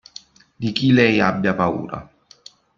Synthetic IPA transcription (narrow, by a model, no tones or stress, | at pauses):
d̪ikilɛjabːjapaṵːɾa̰